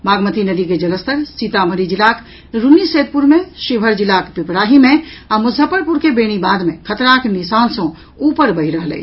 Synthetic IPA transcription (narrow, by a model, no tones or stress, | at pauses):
baɡmət̪inəd̪iked͡ʒələst̪ʰəɾsit̪aməɾid͡ʒilak | ɾuniset̪̚puɾmeʃibʱəɾd͡ʒilakpipɾaɦimeamuzʱəpəɾpuɾkebeɽ̃ibad̪mekʰət̪ɾaknisansə̃ | upəɾbəɦiɾəɦəlɛ̰t͡ʃʰ